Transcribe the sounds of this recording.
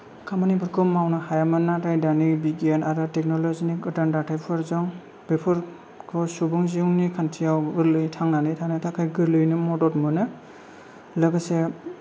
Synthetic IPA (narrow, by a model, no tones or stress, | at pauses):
kʰamanibɯɾkʰɔmawnɯhajamɯnatajdanibiɡanaɾɯtek̚nɔlɔziniɡɯdandatʰajpʰɔɾzɔŋ | b̥epʰɯɾ | kʰɔsubɯŋziuwnikʰantʰijawɡɯɾlɯjtʰaŋnanɯjtʰanɯjtʰakʰajɡɯɾlɯjnɯmɔdɔtmɯnɯ | lɯɡɯse